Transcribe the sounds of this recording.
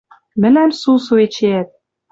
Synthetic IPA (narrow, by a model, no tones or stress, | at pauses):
mɘ̆læmsusuet͡ɕeæt̪̚